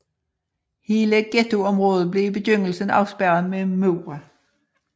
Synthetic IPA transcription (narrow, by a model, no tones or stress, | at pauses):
he̝ːləɡ̥et͡sʰo̝ɒ̽mʁɔ̽ːð̩ˠb̥le̝ib̥e̝døŋ̰l̩sən̩ɑ̈ʊsb̥æɐ̰ð̩ˠmemoʊʁɐ